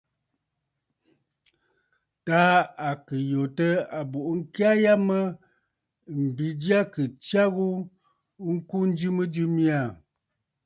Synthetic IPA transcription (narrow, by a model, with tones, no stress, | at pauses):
ta˦a˨kə˨jo˨tə˦a˨bo˨ʔŋ̩˦ki˦a˦ja˦mə˦ | m̩˨bi˨˦dja˦kə˨t͡ʃja˦ɣu˦ | ŋ̩˦ku˦n̩˦d͡ʒi˦mə˦d͡ʒi˦mi˦a˦˨